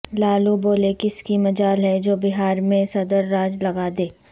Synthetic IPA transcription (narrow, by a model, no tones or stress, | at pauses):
laːluboːlekɪskimɐd͡ʒaːlɦɛd͡ʒoːbɪɦaːɾmẽsɐd̪əɾːaːd͡ʒlɐɡaːd̪eː